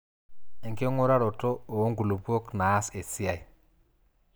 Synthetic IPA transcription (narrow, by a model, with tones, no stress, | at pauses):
ɛ˨ŋke˦ŋo˦ɾa˦ɾɔ˨tɔ˦o˨˦ŋɡu˨lo˨po˦knaː˨˦se˨si˦a˨i˨